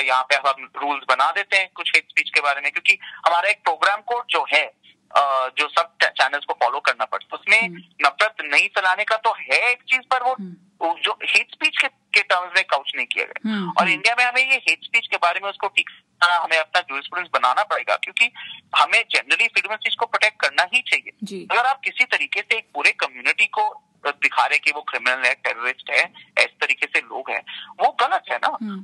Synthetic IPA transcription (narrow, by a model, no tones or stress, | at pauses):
jɐɦãpeɦɐmaɾuːlzbɐnad̪eːt̪ẽɦɛ̃ːkʊt͡ʃʰɦeːʈspiːt͡ʃkebaːɾemẽkjõːkihɐmaːɾaeːk̚pɾoːɡɾaːmkoːd͡ʒoːɦɛ | əːd͡ʒoːsɐb̚t͡ʃɛːnəlskofɔːlokɐɾnapɐ̰ɽt̪aʊsmẽnɐfɾət̪nɐɦĩsɐlaːnekat̪oɦɛeːk̚t͡ʃiːzpɐɾʋo | d͡ʒoːheːʈspiːt͡ʃke | keʈəːɾmzmẽkːaʊt͡ʃnɐɦĩkḭja̰ɡɐ̰ja̰ɔ̰ːɾɪ̃ɳɖijamẽɦɐmẽjeɦeːʈspiːt͡ʃkebaːɾemẽʊskoʈʰiːksɦɐmẽɐp̚nad͡ʒuːɾɪspɾuːɖə̃nsbɐna̰ːnapɐɽḛːɡa̰kjõːkihɐmẽd͡ʒɛnəɾəlifɾiːɖməlspiːzkopɾoːʈeːk̚ʈ̚kɐɾnaɦĩt͡ʃaːɦieːd͡ʒiːɐɡəɾaːp̚kɪsit̪ɐɾiːkeseːk̚puːɾekɐmjuːnɪʈiko | d̪ɪkʰaːɾẽkiʋokɾɪmɪnəlɦɛʈɛ̰ːɾəɾɪsʈɦɛːɛːse̥t̪ɐɾiːkeselo̰ːɡɦɛ̰̃ːʋoɣɐlət̪ɦɛna